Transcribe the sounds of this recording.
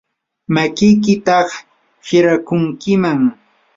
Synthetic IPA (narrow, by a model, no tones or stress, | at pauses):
makɪjkɪt̪ɑχ | hɪɾakʊŋkɪmaŋ